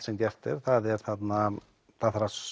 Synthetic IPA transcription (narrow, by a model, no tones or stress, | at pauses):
sɛmcɛft̪ɪɾ̥θaðɛɾ̥θat̪na | θaðθaɾa